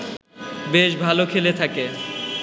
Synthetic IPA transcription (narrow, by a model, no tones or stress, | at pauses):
beʃbʱalokʰelet̪ʰake